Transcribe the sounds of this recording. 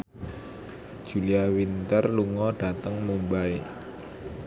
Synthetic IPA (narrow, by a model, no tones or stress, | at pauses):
d̥ʒ̥ṳliawint̪ərluŋɔɖ̥a̤t̪əŋmumbae